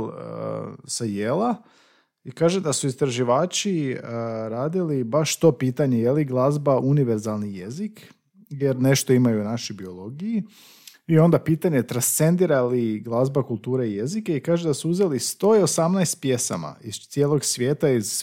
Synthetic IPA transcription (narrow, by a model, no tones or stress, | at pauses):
l | sajela | ikaːʒed̪asuist̪ɾaʒiʋaːt͡ʃi | ɾaːd̪ilibaʃt̪o̞piːt̪aɲejeliɡlˠazbaʔuniʋe̞ɾzalˠnijezik | je̞ɾne̞ʃt̪o̞imajuːnaʃibio̞lˠo̞ɡiji | io̞nd̪apiːt̪aɲet̪ɾanst̪se̞nd̪iɾaliɡlˠazbakulˠt̪uːɾeije̞zikeikaːʒed̪asuuze̞list̪o̞ːio̞samnajst̪̚pje̞sa̰ma̰izt̪sʲjeːlo̞ɡsʋje̞ːt̪aiz